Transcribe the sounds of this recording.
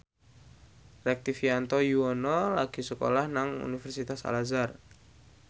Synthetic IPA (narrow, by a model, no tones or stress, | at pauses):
rɛk̚t̪ifiant̪ɔjuɔnɔlaɡ̥isəko̰lahnaŋṵnifɛrsit̪asa̰lazar